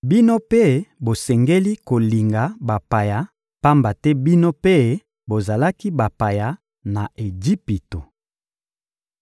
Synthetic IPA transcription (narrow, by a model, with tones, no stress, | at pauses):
bi˦no˦pe˦bo˨sɛ˨ŋɡe˦li˦ko˨li˨ŋɡa˨ba˨pa˨ja˨˦ | pa˦mba˨tɛ˦bi˦no˦pe˦ | bo˨za˨la˦ki˦ba˨pa˨ja˨ | na˨ʔe˨d͡ʒi˦pi˨to˨